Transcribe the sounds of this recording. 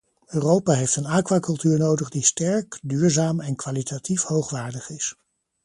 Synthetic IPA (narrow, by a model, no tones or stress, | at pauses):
øːrowpaːɦejftənaːkʋaːkɵlˠtyːɹnowdəχdistɛɹkdyːɹzaːmɛnkʋaːlitatifhowχʋaːɹdəχɪs